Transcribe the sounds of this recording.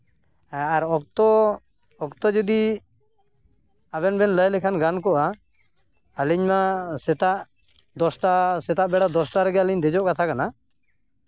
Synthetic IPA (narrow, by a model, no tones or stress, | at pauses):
aɾɔkt̪ɔ | ɔkt̪ɔd͡ʒɔd̪i | abɛnbɛnləjlɛkʰanɡankɔʔa | əliɲmasɛt̪aʔ | d̪ɔsʈasɛt̪aʔbɛɽad̪ɔsʈaɾəɡɛəliɲd̪ɛd͡ʒɔʔkat̪ʰakana